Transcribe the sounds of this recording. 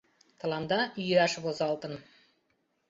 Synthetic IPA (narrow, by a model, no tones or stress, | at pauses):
t̪ʰɑlˠɑnd̪ɑʔʏjæʃɪpozɑlˠt̪ən